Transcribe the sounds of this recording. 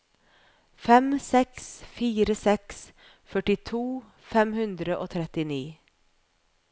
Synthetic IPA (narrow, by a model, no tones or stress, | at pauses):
fɛmsɛksfiːɾəsɛks | fœʈɪt̪ʰuː | fɛmhʉnd̪ɾəʔo̰ːt̪ʰɾɛt̪ɪniː